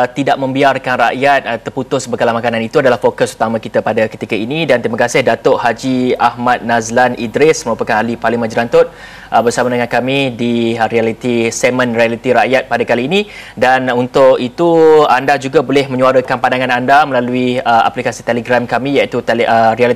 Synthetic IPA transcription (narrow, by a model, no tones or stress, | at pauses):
t̪idaʔ̚mə̃mbiarkanraʔjat̪̚ːərput̪ʊsbəɡalamakanãnit̪uadalahfokəsu̥t̪amãkit̪apadakə̥t̪ikainidant̪ɾimakasɪhdat̪oʔhad͡ʒiahmat̪̚nazlanidɾɪsməɾupakanalipalimə̃nd͡ʒiɾant̪ʊt̪̚ | əbərsamadəŋankamĩdiɾialit̪isɛmə̃nrialit̪iɾaʔjat̪̚padakaliːnĩdanunt̪ʊkit̪uandad͡ʒuɡabolɛhmə̃ɲuaɾəkanpandaŋanandaməlaluiəa̰plikasit̪eləɡɾamkamĩjait̪uəɾialit̪